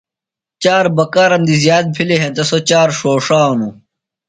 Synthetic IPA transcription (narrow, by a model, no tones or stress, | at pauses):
t͡ɕaːɾbɐkaːɾɐmd̪izjaːt̪̚pʰileɦẽnt̪ɐsot͡ɕaːɾʂoːʂaːnu